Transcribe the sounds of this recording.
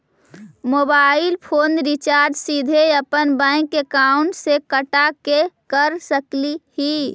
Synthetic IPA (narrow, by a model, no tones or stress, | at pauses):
moːbaːɪlpʰoːnɾɪt͡ʃaːɾd͡ʒsid̪ʱeəpənbɛ̃ɪkːekaʊɳʈsekəʈakekəɾsəklihi